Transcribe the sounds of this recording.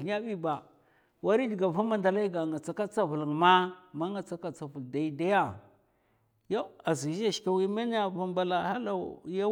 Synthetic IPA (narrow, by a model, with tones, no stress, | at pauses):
a˦ɓi˦ba˨ | wa˦ɾi˦di˨ɡa˨vu˦ma˨nda˨la˦i˦ɡa˨ŋa˨t͡sa˨ka˦t͡sa˦vu˨lə˨ŋma˦ma˦ŋa˨t͡sa˦ka˦˨t͡sa˨vu˨lda˨i˦da˦ja˦˨ | ja˦a˨zi˨˦a˦˨ʃka˨wi˦ma˦n˦a˨va˨mba˦la˨ha˦la˦ja˦